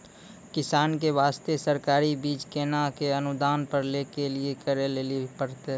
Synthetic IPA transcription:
kɪsaːnk̬eʋaːst̪esəɾkaːɾibiːt͡ʃkeːnakeənʊd̪aːnpəɾleːkeliekəɾeleːlipəɾt̪eɦ

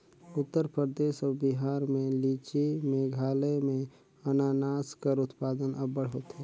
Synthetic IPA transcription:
ʊt̪ːəɾpɾɾəd̪eːʃɔːɾbiɦaːɾmẽliːt͡ʃimẽɡʱaːlemẽ | ənaːnaːskəɾʊt̪paːd̪ənɐbːəɽɦoːt̪eː

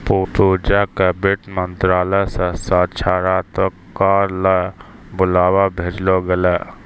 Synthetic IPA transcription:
puːpuːd͡ʒakebɪʈmə̃nt̪ɾaːləsəsaːt͡ʃʰaːɾaːt̪ɔ | kaːɾlabʊlaːwabʱeːd͡ʒloɡəlaː

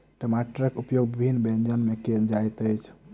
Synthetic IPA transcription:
ʈəmaʈɾəkupjoɡbibʱinːbẽnd͡ʒənmeked͡ʒajt̪əjt͡ʃʰ

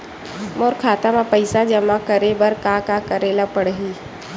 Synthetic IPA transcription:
moːɾkʰaːt̪amãpəɪsad͡ʒɐmãkəɾebəɾkaːkakəɾeːlapəɽɦiː

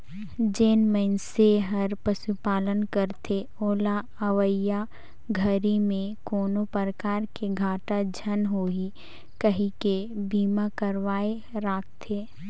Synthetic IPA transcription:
d͡ʒeːnməɪnseɦɐɾpəsupaːlənkəɾt̪ʰe | oːla | əʋəja | ɡʱəɾimẽkoːnopəɾəkaːɾkeɡʱaːʈad͡ʒʱənɦoːi | kəɦĩkebiːmãkəɾʋaːe | ɾaːk̚ʰt̪ʰeː

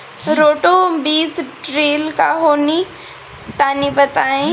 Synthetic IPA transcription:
ɾoːʈobiːsʈɾeːlkaɦoːni | t̪aːnibɐt̪aːĩ

